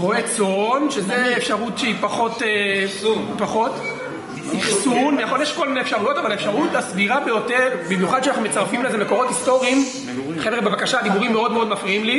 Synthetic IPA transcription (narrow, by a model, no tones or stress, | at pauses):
ʁo̞et͡sonʃezeːfʃaʁutʃeipaχo̞te | paχo̞t̪ | iχsunmejaχo̞ljeʃko̞lmineefʃaʁujo̞tavalaefʃaʁutlasviʁabe̞jo̞teʁbimjuχad̪̚ʃanaχnumet͡saʁfimlezemeko̞ʁo̞t̪isto̞ʁiim | eχevʁebebakaʃaːd̪ibuʁimːeo̞d̪meo̞d̪mafʁiimli